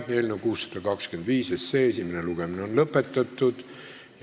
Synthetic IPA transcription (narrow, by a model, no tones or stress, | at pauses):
elnukuːsːɑ̥d̪̥ɑkɑkske̞nd̪viːsesːeesʲimeneluɡ̥emineo̞nlɤpːˑe̞t̪ːˑɑt̪ːˑud̪̥ | j